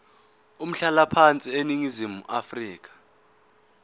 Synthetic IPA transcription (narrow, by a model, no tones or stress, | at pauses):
um̩ɬalapʰant͡sʼieniŋizimuʔafriːk̬ḁ